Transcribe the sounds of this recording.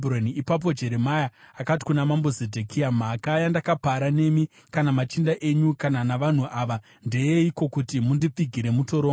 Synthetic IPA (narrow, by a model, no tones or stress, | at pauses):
broniipap̬o̞d͡ʒe̞ɾe̞majaakati̥kunamambo̞zedʱekiamakajandakapaɾane̞mi | kanamat͡ʃindaʔe̞ɲukananaʋan̤uʔaːʋa | nde̞jeiko̞kutimundip͡fiɡʱiɾe̞muto̞ɾoː